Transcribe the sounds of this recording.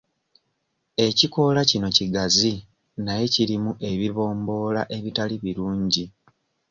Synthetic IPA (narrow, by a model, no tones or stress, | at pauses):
e̞ciko̞lacino̞ciɡazi | naje̞ciɾimuʔe̞βiβo̞ːmbo̞ːlaʔe̞βitaliβiɾuːɲɟi